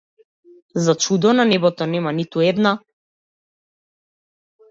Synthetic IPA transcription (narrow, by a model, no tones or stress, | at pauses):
zat͡ʃud̪ɔnanɛbɔt̪ɔnɛmanit̪uɛd̪na